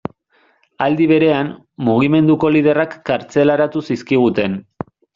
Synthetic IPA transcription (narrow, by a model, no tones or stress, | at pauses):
ald̪iβ̞e̞ɾe̞an | muɣ̞ime̞nd̪uko̞lið̞e̞rakːaɾt͡se̞laɾat̪usiskiɣ̞ut̪e̞n